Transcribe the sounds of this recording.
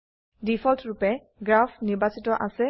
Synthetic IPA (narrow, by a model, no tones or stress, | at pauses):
dipʰɔltʰɹupɛ | ɡɹapʰniɹbasitɔʔasɛ